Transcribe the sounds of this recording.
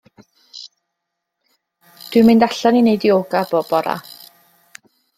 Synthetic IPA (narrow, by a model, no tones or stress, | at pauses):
d̥wɨmɪndaɬɔninejdioːɡabɔb̥ɔɾa̰